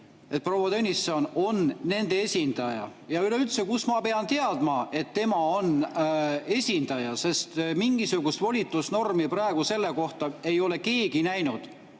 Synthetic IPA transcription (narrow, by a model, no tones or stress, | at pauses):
e̞t̪̚pro̞wɑd̪ønʲisːono̞nːe̞nd̪̥e̞esʲind̪̥ɑjɑ̰jɑyle̞ylt̪sekusmɑpe̞ɑnt̪e̞ɑd̪̥mɑe̞t̪ːe̞mɑo̞n | e̞sʲind̪̥ɑjɑse̞st̪miŋɡisuɡ̥ust̪volʲit̪ːˑusno̞rmiprɑeɡ̥use̞lːe̞ko̞ht̪ɑe̞jo̞le̞ke̞ːɡ̥inæjnud̪̥